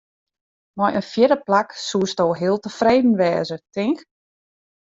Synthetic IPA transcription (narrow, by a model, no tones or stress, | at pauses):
mɔjʔənfjɪdəplaksuəstoːɦɪəlˠtəfreːdn̩ʋɛːzətɪŋk